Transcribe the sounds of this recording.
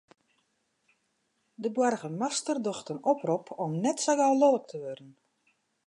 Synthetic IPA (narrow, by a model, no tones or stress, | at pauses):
dəbwɔrɣəmastərdɔxtənɔpropʰɔmnɛtsaɡalolək̚tʰəʋødən